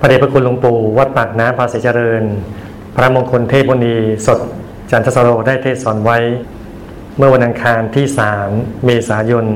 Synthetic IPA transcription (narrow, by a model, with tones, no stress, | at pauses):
pʰa˧de˨˩pɾa˧kʰu˧nlo˧ŋpuː˨˩wa˦˥t̪̚paː˨˩k̚naː˦˥mpʰaː˧siː˩˦t͡ɕa˧ɾɤː˧n | pʰɾa˦˥mo˧nkʰo˧nt̪ʰeː˥˩boː˧niː˧so˨˩t̪̚ | t͡ɕaː˩˦nt̪ʰa˦˥sa˧ɾoː˧daː˥˩jt̪ʰeː˥˩t̪̚sɔː˩˦nwa˦˥j | mɯ˥˩ɐwa˧nʔa˧ŋkʰaː˧nt̪ʰiː˥˩saː˩˦mːeː˧saː˩˦jo˧n